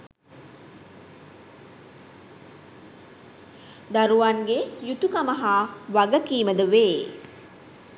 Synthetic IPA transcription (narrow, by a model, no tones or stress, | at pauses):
d̪aɾuʋaŋɡejut̪ukaməɦaːʋaɡəkiːməd̪əʋeː